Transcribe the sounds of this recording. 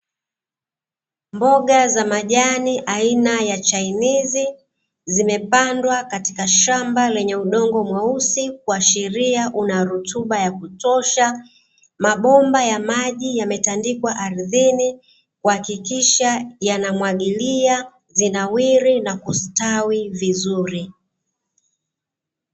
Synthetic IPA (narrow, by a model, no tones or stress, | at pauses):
mbɔɠazamaʄaniʔainajat͡ʃainizi | zimɛpandwakati̥kaʃambalɛɲɛuɗɔŋɡɔmwausik̚uaʃiɾiaʔunaɾutuɓajakutɔʃa | maɓɔmbajamaʄijamɛtandikwaʔaɾiðini | kuhakikiʃajanamwaɠilia | zinawiɾinakustawivizuɾi